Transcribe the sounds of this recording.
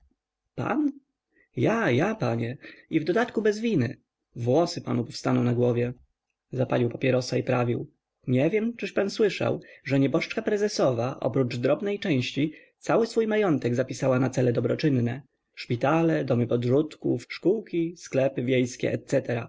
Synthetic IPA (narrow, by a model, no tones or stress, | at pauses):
pa̰n | jajapaɲɛivd̪ɔd̪at̪kubɛzvʲinɘ̰ | vwɔsɘpanupɔfst̪anɔ̃w̃naɡwɔvʲjɛ | zapalʲiwpapʲjɛɾɔsaipɾavʲiw | ɲɛvʲjɛmt͡ʂɘʂpanswɘʂa̰wʐɛɲɛbɔʂt͡ʂkapɾɛzɛsɔvaʔɔ̰pɾud͡ʐd̪ɾɔbnɛjt͡ʂɛ̃w̃ɕt͡ɕi | t̪sawɘsfujmajɔnt̪ɛɡzapʲisawanat̪sɛlɛd̪ɔbɾɔt͡ʂɘnːɛ | ʂpʲit̪alɛd̪ɔmɘpɔd̪ʐut̪kṵfʂkuwkʲisklɛpɘvʲjejskʲɛ̰ʔɛ̰t̪sɛt̪ɛɾa̰